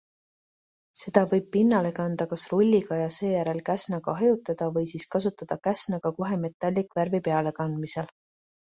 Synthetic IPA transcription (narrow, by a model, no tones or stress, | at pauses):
se̞d̪̥ɑvɤjb̥̚pinːɑle̞kɑnd̪̥ɑkɑsrulʲːiɡ̥ɑjɑse̞ːjæɾe̞lkæsnɑɡ̥ɑɦɑjut̪ːˑɑd̪̥ɑvɤjsiskɑs̬ut̪ːˑɑd̪̥ɑkæsnɑɡ̥ɑko̞ɦe̞me̞t̪ːˑɑlʲːikˑvæɾvipe̞ɑle̞kɑnd̪misel